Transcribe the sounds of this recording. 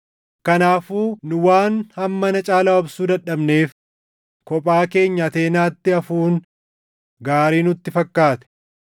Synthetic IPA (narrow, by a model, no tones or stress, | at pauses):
kɐnaːfuːnʊwaːnhɐmːɐnɐt͡ʃʼaːlaɔbsuːd̪ɐᶑɐbne̞ːf | kɔpʼaːke̞ːɲːɐːt̪eːnaːt̪ːɪɐfuːn | ɡaːɾiːnʊt̪ːɪfɐkːaːt̪ɛ̥